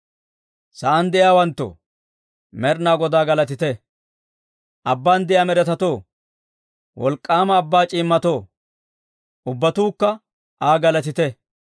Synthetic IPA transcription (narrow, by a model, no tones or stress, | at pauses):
sɐʔɐnd̪ɛʔjaːwɐnt̪ːɔ̰ | mɛɾnaːɡɔd̪aːɡɐlɐt̪̬ɪt̪ɛ | ʔɐbːaːnd̪ɛjaːmɛɾɛt̪ɐt̪o̞ː | wʔɔ̰lkʼːaːmɐːbːaːt͡ʃʼiːmːɐt̪o̞ː | ʔʊbːɐt̪uːkːɐ | ʔaːɡɐlɐt̪ɪt̪ɛ